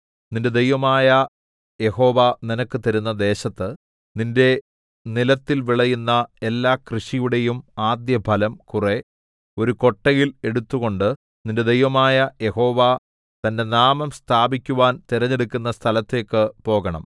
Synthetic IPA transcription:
ninde̞d̪ejʋɐmaːjɐ | je̞ho̞ːʋaːninɐkːɨt̪ɐɾunːɐd̪e̞ːɕɐt̪ːɨ | ninde̞ | nilɐt̪ːilʋiɭɐjunːɐe̞lːaːkrɨɕijuɽe̞jumaːd̪jɐbʱɐlɐmkure̞ | o̞ɾuko̞ʈːɐjile̞ɽut̪ːuɣo̞ɳɖɨ | ninde̞d̪ejʋɐmaːjɐje̞ho̞ːʋa | t̪ɐnde̞naːmɐmst̪ʰaːbikʲːuʋaːnt̪iɾɐɲːeɽukʲːunːɐst̪ʰɐlɐt̪ːe̞ːkːɨpo̞ːɣɐɳɐ̰m

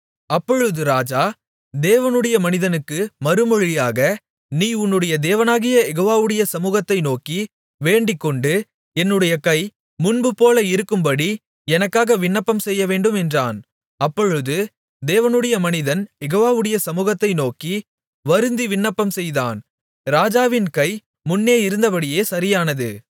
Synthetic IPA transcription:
ɐpːɔɻɯðɯɾaːd͡ʒaː | d̪eːʋɐnɯɽɐjɐmɐnɪðɐnɯkːɯmɐɾɯmɔɻɪjaːɣɐ | niːʊnːɯɽɐjɐd̪eːʋɐnaːɣɪjɐjɛɣoːʋaːʋɯɽɐjɐsɐmuːɣɐt̪ːɐɪnoːki | ʋeːɳɖɪkːɔɳɖɯ | ɛnːɯɽɐjɐkɐɪ | mʊnbɯpoːlɐɪɾɯkːɯmbɐɽi | ɛnɐkːaːɣɐʋɪɳːɐpːɐmsɛjːɐʋeːɳɖɯmɛndra̰ːn | ɐpːɔɻɯðɯ | d̪eːʋɐnɯɽɐjɐmɐnɪðɐnjɛɣoːʋaːʋɯɽɐjɐsɐmuːɣɐt̪ːɐɪnoːki | ʋɐɾɯnd̪iʋɪɳːɐpːɐmsɛjða̰ːn | ɾaːd͡ʒaːʋɪnkɐɪ | mʊnːeːɪɾɯnd̪ɐpɐɽɪjeːsɐɾɪjaːnɐðɯ

